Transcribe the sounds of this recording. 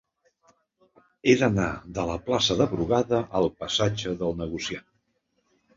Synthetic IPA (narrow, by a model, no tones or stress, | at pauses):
eðənaðələplasəðəβɾuɣaðəʔəlˠpəsad͡ʒəðəlˠnəɣ̞usia